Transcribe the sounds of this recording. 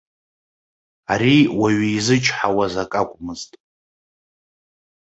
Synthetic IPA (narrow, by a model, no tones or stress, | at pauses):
aɾiwaɥizɨt͡ʃʰʼħawazakʼakʷʼmɨztʼ